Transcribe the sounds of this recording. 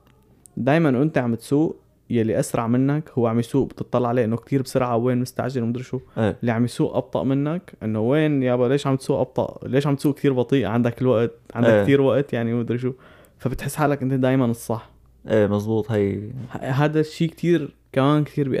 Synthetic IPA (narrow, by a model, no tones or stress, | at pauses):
d̪aːjmanʔʔɪnt̪aʕamt̪suːʔ | jalːiʔasɾˤɑʕmɪnːakhʊwːeʕamisuːʔbt̪ɨt̪ˤːɑlːɑʕaleːʔɪnːokt̪ʰiːɾbsʊɾʕaweːnmʊst̪a̰ʕʒalwmʊd̪ɾɪʃuʔeʔlːiʕamisuːʔʔɑ̰b̚t̪ˤɑ̰ʔmɪnːakʔɪnːoweːnjableːʃʕamt̪suːʔɑb̚t̪ˤɑ̰ʔleːʃʕamt̪suːʔkt̪iːɾbɑt̪ˤiːʔʕand̪akɪlwaʔt̪̚ʕand̪akt̪iːɾwaʔt̪jaʕnimʊd̪ɾɪʃ̬u | fabɪt̪ħɪsːħaːlːakʔɪnt̪ad̪aːjmanɨsˤːɑħ | ʔeːmɑzˤbuːt̪ˤhajhɦaːd̪aʃːiːkt̪ʰiːɾ | kamaːnkt̪iːɾbiʔ